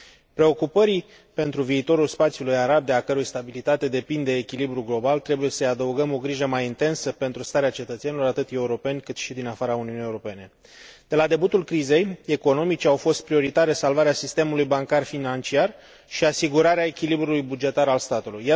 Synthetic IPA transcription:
pɾe̞o̞kupəɾi | pe̞nt̪ɾuviːt̪o̞ɾulspat̪sijulujaɾab̚d̪eakəɾujst̪abilit̪at̪e̞d̪e̞pind̪eːkʲilibɾuɡlo̞balt̪ɾe̞buje̞səjad̪əuɡəmo̞ɡɾiʒəmajint̪e̞nsəpe̞nt̪ɾust̪aɾeat͡ʃe̞t̪ət̪se̞nilo̞ɾat̪ɨt̪e̞uɾo̞pe̞nʲkɨt̪ʃid̪inafaɾauniunijeuɾo̞pe̞ne̞ | d̪̥e̞lad̪e̞but̪ulkɾize̞je̞ko̞no̞mit͡ʃeawfo̞st̪̚pɾio̞ɾit̪aɾe̞salvaɾeasist̪e̞mulujbaŋkarfinant͡ʃiar | ʃiasiɡuɾaɾeae̞kʲilibɾulujbud͡ʒe̞t̪aɾalst̪at̪uluja

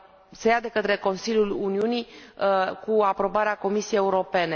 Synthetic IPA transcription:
se̞jad̪e̞kət̪ɾe̞ko̞nsiljuluniuni | kuapɾo̞baɾeako̞misiejeuɾo̞pe̞ne̞

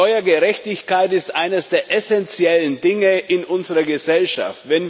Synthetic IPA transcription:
ɔʏɐɡəʁɛçtɪçkaɪtɪstʔaɪnəsd̥eːɐʔɛsɛnt͡sjɛləndɪŋəʔɪnʔʊnzəʁɐɡəzɛlʃa̰ftvɛn

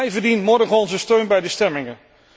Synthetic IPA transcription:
jvəɹdinmɔɹdəχɔnzəstøɥnbɛjdəstɛmɪŋən

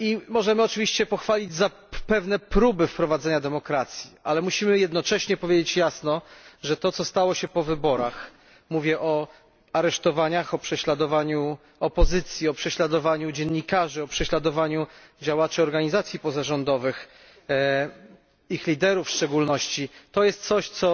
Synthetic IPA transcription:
imɔʐɛmɘɔt͡ʂɘvʲiɕt͡ɕɛpɔxfalʲid͡ʑza | pɛvnɛpɾubɘfpɾɔvad̪zɛɲad̪ɛmɔkɾat̪sʲjialɛmuɕimɘjɛd̪nɔt͡ʂɛɕɲɛpɔvʲjed͡ʑet͡ɕjasnɔʐɛt̪ɔt̪sɔst̪awɔɕɛpɔvɘbɔɾax | muvʲjɛʔɔ | aɾɛʂt̪ɔvaɲaxɔpʂɛɕlad̪ɔvaɲu | ɔpɔzɘt̪sʲjiɔpʂɛɕlad̪ɔvaɲud͡ʑɛnːikaʐɘɔpʂɛɕlad̪ɔvaɲud͡ʑawat͡ʂɨɔɾɡaɲizat̪sʲjipɔzaʐɔnd̪ɔvɘx | ixlʲid̪ɛɾufʂt͡ʂɛɡulnɔɕt͡ɕit̪ɔjɛst̪t̪sɔɕt̪sɔ

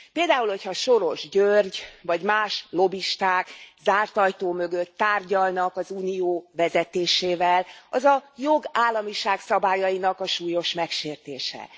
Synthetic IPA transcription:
peːld̪aːulho̞chɒʃo̞ɾo̞ʒɟørɟvɒɟmaːʃlo̞biʃt̪aːkzaːrt̪ɒjt̪oːmø̞ɡø̞t̪ːaːrɟɒlnɒkɒzuːnijoːvɛzɛt̪eːʃeːvɛlɒzɒjo̞ɡaːlːɒmiʃaːksɒbaːjɒjinɒkɒʃuːjo̞ʃmɛkʃeːrt̪eːʃɛ̰

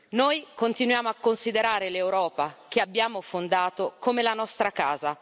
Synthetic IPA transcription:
nojkont̪inwjaːmoakːonsid̪eɾaːɾelewɾɔːpak̟eabːjaːmofond̪aːt̪okomelanɔst̪ɾakaːza

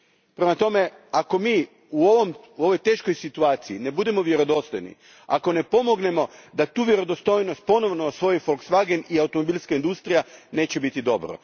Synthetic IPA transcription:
pɾe̞mat̪o̞me̞ | ako̞miː | uoʋom | uo̞ʋo̞jt̪e̞ːʃkojsit̪uaːt̪siine̞bud̪e̞mo̞ʋje̞ɾo̞d̪o̞st̪ojnḭ | a̰ko̞ne̞po̞mo̞ɡne̞mo̞d̪at̪uːʋje̞ɾo̞d̪ost̪o̞jnost̪̚po̞no̞ʋnosʋo̞jifolksʋaɡeniaut̪omo̞biːlˠskaind̪ust̪ɾijane̞ːt͡ɕe̞bit̪id̪o̞bɾo̰

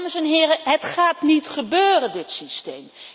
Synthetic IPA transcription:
məsɛnɦɪːrəɦətχaːtnitχəbøːrəndɪtsistḛjm

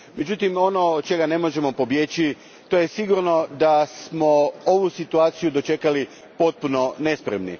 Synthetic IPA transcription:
me̞d͡ʑut̪imo̞no̞t͡ʃe̞ɡane̞mo̞ʒe̞mo̞po̞bjet͡ɕi | t̪o̞je̞siɡuɾno̞d̪asmo̞oʋusit̪uaːt̪sijud̪ot͡ʃe̞kali | po̞t̪̚puno̞ne̞spɾemnḭ

